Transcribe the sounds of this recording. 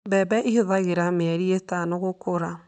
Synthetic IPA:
bɛːbɛʔihoðaɣeɾameaɾietanoɣokoɾa

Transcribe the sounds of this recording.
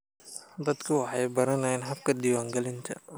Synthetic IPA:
d̪ɐd̪kʰʊwɑħɑjbɐɾɐnɐɛnɦɐb̚kʰɐd̪iːwaːŋɡɐlɪnt̪ʰɐ̰

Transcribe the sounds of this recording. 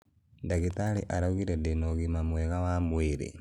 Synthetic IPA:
ndaɣitaɾeʔaɾaɣiɾedenoɣimamwɛɣawamweɾḛ

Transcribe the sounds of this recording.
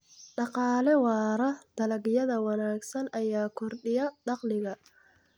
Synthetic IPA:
ɖɑqɑːlɛwɑːɾɐd̪̥ɐlɐɡjɐðɐwɑnaːɡsɐnʔɐjaːkʰɔrɗɪjɐɖɑqlɪɣɐ

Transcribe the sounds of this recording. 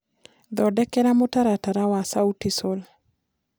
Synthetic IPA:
d̪ɔdɛkɛɾamotaɾataɾawasautisol

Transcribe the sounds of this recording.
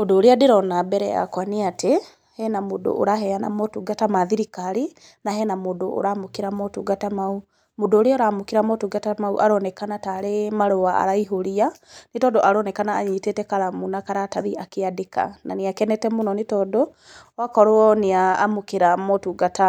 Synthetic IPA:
modoːɾeadeɾɔnabɛɾɛja̰kwaniate | hɛnamodo̰ʔo̰ɾaɦɛjana̰mɔtuːɡatamaðiɾikaɾi | nahɛnamodoʔːɾamokeɾamɔtuɡatamau | modoːɾeɔɾamokiɾamɔtuɡatamauʔaɾɔnɛkanataɾemaɾowaa̰ɾaiɦoɾia | nitɔdɔʔaɾɔnɛkanaːɲitetɛkaɾamunakaɾataðiakeadeka̰na̰niakɛnɛtɛmonɔnetɔdo | wakɔɾoɔnea̰ːmokeɾamɔtuɡata

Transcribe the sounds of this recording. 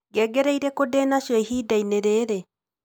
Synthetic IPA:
ɡɛɡɛɾeiɾɛkodɛːnaʃwɛihiːdaineɾeːɾe

